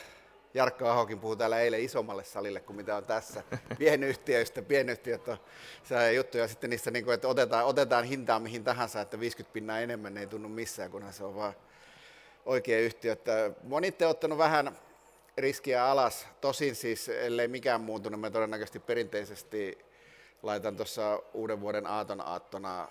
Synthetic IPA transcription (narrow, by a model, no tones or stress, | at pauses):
jɑrkːoɑhokimpuhut̪æːlːæeileisomːɑlːessɑlilːekkummit̪æont̪æsːæpienyht̪iøist̪æpienyht̪iøt̪ːo | sɑiɑjut̪ːujɑsit̪ːenniːsːæniːŋkuet̪ːot̪et̪ɑːot̪et̪ɑːnhint̪ɑːmmihint̪ɑɦɑnsɑet̪ːæʋiːskyt̪̚pinːɑːenemːænːeit̪unːummisːæːkunhænseoʋʋɑː | ʔoikeːyht̪iøt̪ːæmonit̪ːeiot̪ːɑnuʋæhæn | riskiæɑlɑst̪osinsiːsḛlːeimikæːmmuːt̪unummæt̪odenːækøst̪ipperint̪eisest̪i | lɑit̪ɑnt̪osːɑuːdeʋʋuoɾenɑːt̪onɑ̰ːt̪ːonɑ̰